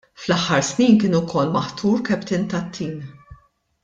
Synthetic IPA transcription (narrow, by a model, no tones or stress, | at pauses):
flɐħːɐɾsniːnkɪːnukʰɔlːmɐħt̪ʰuːɾkɛpt̪ɪnt̪ɐt̪ʰːiːn